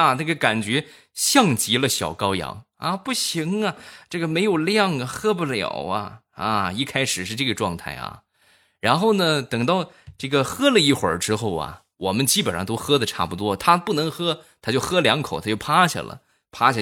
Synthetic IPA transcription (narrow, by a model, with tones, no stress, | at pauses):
a˧na˥˩ɡə˩ka˨˩nt͡ɕɥɛ˧˥ | ɕjɑ˥˩ŋt͡ɕi˧˥lə˧ɕjɑ˨˩ʊkɑ˥ʊjɑ̰˧˥ŋ | ɐ˧pu˥˩ɕi˧˥ŋɐ˧ʈ͡ʂɤ˥˩ɡə˩me˧˥ɪjo˨˩ʊljɑ˥˩ŋɐ˨˩xɤ˥pu˥˩ljɑ̰˨˩ʊɐ˧ | ɐ˧˩i˥˩kʰa˥ɪʂɻ̩˨˩ʂɻ̩˥˧ʈ͡ʂɤ˥˩ɡə˩ʈ͡ʂwɑ˥˧ŋt̪ʰa̰˥˩ɪɐ̰˩ | ɻa˧˥nxo˥˩ʊnə˩t̪ɤ˨˩ŋt̪ɑ˥˧ʊʈ͡ʂɤ˥˩ɡə˩xɤ˥lə˨i˥˩xwə˞˨˩˥ʈ͡ʂɻ̩˥xo˥˩ʊɐ̰˩ | wɔ˨˩mə˦nt͡ɕi˥pə˨˩nʂɑ˥ŋt̪o˥ʊxɤ˥d̪ə˨ʈ͡ʂʰa̰˥˩pu˩t̪wɔ˥t̪ʰa˥pu˥˩nɤ˧˥ŋxɤ˥t̪ʰa˥t͡ɕjo˥˩ʊxɤ˥ljɑ˧˥ŋkʰo˨˩ʊt̪ʰa˥t͡ɕo˥˩ʊpʰa˥ɕja̰˥˩lə̰˩ | pʰa˥ɕja˥˩